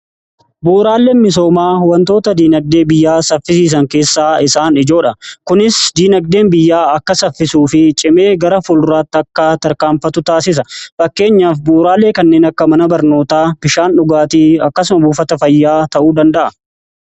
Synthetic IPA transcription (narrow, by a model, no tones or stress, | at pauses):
buːɾaːlːeːnmɪs̬o̞ːmaːwɐnt̪o̞ːt̪ɐd̪iːnɐɡ̚d̪e̞ːbɪjːaːsɐfːɪs̬iːs̬ɐŋke̞ːsːaːɪsaːnɪd͡ʒo̞ːᶑɐkʊnɪsd̪iːnɐɡ̚d̪e̞ːnbɪjːaːɐkːɐsɐfːɪsuːfɪt͡ʃʼɪme̞ːɡɐɾɐfʊlraːt̪ːɪɐkːɐt̪ɐɾkaːmfɐt̪ʊt̪aːsɪs̬ɐfɐkːe̞ːɲːaːfbuːɾaːlːe̞ːkɐnːe̞ːnɐkːɐmɐnɐbɐɾno̞ːt̪aːb̥ɪʃaːnᶑʊɡaːt̪iːɐkːɐs̬ʊmɐbuːfɐt̪ɐfɐjːaːt̪ɐʔuːd̪ɐnd̪ɐʔɐ